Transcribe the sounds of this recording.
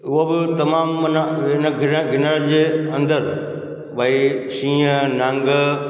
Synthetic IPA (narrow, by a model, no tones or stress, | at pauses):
ʊɦobɪt̪ɐmaːmnɪnəɡʱɪɾəɡʱɪnəɾd͡ʑeːɐ̃nd̪əɾ | bʱaːiʃĩːnãːŋɡə